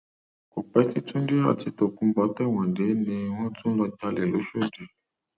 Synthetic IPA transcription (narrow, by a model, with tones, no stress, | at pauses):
ko˨k͡pɛ˦ti˧tũ˦di˦a̰˨ti˨˧to˨kũ˧˦bɔ˨˦tɛ˦˨wã˨nde˨˦nĩ˧w̃ɔ̃˦tũ˦lɔ˧ta˧le˨lo˨˦ʃo˦de˨